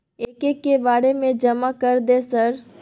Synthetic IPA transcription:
eːkekːebaːɾemẽd͡ʒɐmakəɾd̪esəɾ

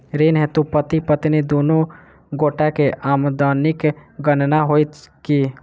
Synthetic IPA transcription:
ɾeːnɦɛt̪upət̪ipət̪ined̪oːnõ | ɡoːʈakeʔaːmd̪aːnɪkɡənnaɦoːit̪kiː

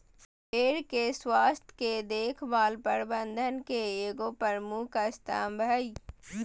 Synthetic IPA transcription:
eːɾkeswaːst̪ʰked̪eːkʰbaːlpəɾbə̃nd̪ʱənkeeːɡoːpəɾmukəst̪a̰ːmbʱəi

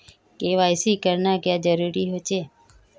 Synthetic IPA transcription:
keʋajsikəɾnaɡjãd͡ʒəɾuɾiɦot͡ʃʰe

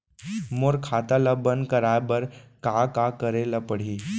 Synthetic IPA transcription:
moɾkʰat̪alabənd̪kəɾajbəɾkakakəɾelapəɽ̤iː

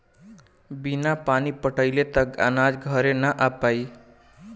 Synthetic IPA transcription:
binapanipəʈəjlet̪ʌɡa̰nad͡zɡʱʌɾenʌʔapaj

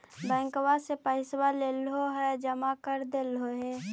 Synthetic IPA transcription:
bɛ̃ːŋkwasepəɪswaleːlɦoɦɛd͡ʒəmakəɾd̪eːlɦoɦɛː

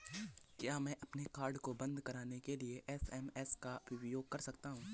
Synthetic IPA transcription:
kjaːmɛ̃ːʔɐpnekaːɾɖkobɐ̃nd̪kɐɾaːnekelieʔɛsɛːmɛːskabɪbjoːɡ̚kɐɾsɐk̚t̪aɦũː

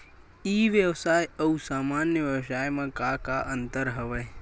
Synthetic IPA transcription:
iːʋjəwsaːjɐusaːmaːnjəʋjəwsaːjmẽkakaʔə̃nt̪əɾɦəʋəe

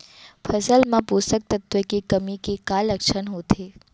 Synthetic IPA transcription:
pʰəsəlmãposək̚t̪ət̪ʋəkekəmikekaləkʃənɦot̪ʰe

